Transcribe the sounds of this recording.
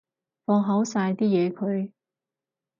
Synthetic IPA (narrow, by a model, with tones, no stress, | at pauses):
fɔː˧ŋɦɐ˨˥wsaː˧jt̪iː˥jɛː˨˧kʰɵ˨˧ɥ